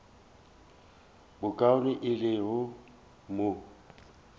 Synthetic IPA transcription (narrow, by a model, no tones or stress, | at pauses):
bʊkʼaʊnɪʔɪrɪɦʊ | mʊ